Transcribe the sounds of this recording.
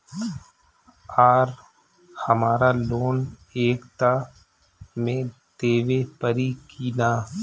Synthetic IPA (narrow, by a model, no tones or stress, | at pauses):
aːɾ | həmaːɾaloːn | eːkt̪a | mẽd̪eːʋepəɾikiːnaː